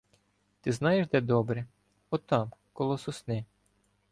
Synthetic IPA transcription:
t̪ɪznɑjeʃd̪ɛd̪ɔbɾɛ | ɔt̪ɑmkɔlˠɔsʊsnɪ

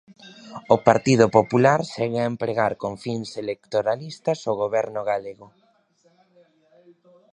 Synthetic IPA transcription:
ʊpaɾt̪ið̞ʊpopulaɾsɛɣeaempɾeɣaɾkoŋfiŋselekt̪oɾalist̪ɐsoɣoβɛɾnʊɣaleɣʊ

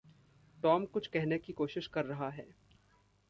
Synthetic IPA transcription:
ʈɔːmkʊt͡ʃʰkɛɦnekikoːʃɪʃkɐɾːɐɦaɦɛː

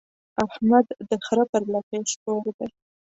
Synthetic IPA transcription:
ahmad̪ːəxɾapəɾlakeʃtoɾd̪e

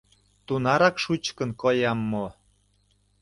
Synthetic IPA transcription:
t̪unɑɾɑkʃut͡ɕkə̆nkojɑmːo

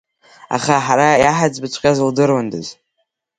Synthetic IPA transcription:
a̰χaħaɾajaħad͡zbɨt͡ʃʷʰʼkʲʼazldɨrwandɨ̰z

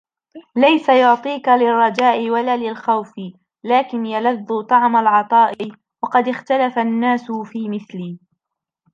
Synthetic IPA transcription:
lajsajʊʕt̪ˤiːkalɪrˤːɑd͡ʒaːʔɪwalaːlɪlxawfɪ | laːkɪnjalaðːʊt̪ˤɑʕmalʕɑt̪ˤɑːʔɪ | wɑqɑd̪ɪxt̪alafanːaːsʊfiːmɪθliː

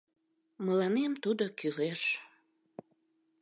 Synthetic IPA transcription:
məlɑnemt̪ud̪okyleʃ

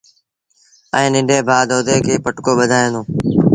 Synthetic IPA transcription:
ɛ̃ːnɪ̃ɳɖʱeːbʱaːd̪oːd̪eːkʰeːpəʈkoːɓəd̪ʱaːẽːnd̪õː

